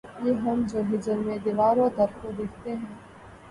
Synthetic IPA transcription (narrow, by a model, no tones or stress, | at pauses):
jeːɦɐmd͡ʒoːɦɪd͡ʒəɾmẽd̪ɪʋaːɾõd̪ɐɾkod̪ɪkʰt̪eɦɛ̃ː